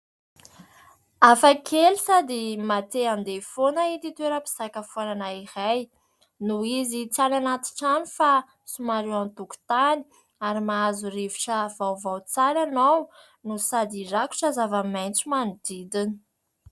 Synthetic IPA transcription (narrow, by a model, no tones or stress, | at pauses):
afakʰelisad̪imat̪eand̪efonaid̪it̪eɾəpi̥sakəfananaiɾaj | nuizit͡salanat̪i̥ʈ͡ʂanifa | sumaɾewant̪uku̥t̪ani̥ | aɾimaazureviʈ͡ʂəvawvawt͡salanaw | nusad̪iraku̥ʈ͡ʂazavamajnt͡sumanud̪̥id̪ini̥